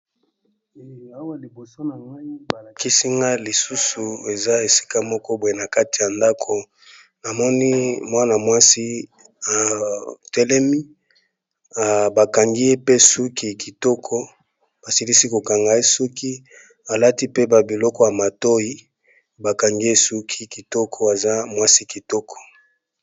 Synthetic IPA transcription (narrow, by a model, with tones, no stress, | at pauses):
a˦wa˦li˨bo˨so˦na˨ŋɡa˦ba˨la˨ki˦si˦ŋɡa˦li˨su˦su˨e˨za˦e˨si̥˦ka˦mɔ˦kɔ˦bo˨e˦na˨ka˦ti˨ja˨nda˦kʰo˨ | na˨mɔ˦ni˦mwa˦na˨mwa˦si˦ | a˨tɛ˦lɛ˦mi˦ | a˨ba˨ka˨ŋɡi˦je˦pe˦su˦kʰi˨ki˨tɔ˦kʰɔ˦ | b̥a˨si˦li˦si˦ko˨ka˨ŋɡa˨je˦su˦kʰi˦ | a˨la˦ti˦pe˦ba˨bi˨lɔ˦kɔ˦ja˨ma˨to˦ji˦ | ba˨ka˨ŋɡi˦e˦su˦kʰi˦ki˨tɔ˦kʰɔ˨a˨za˦mwa˦si˦ki˨tɔ˦kʰɔ̥˨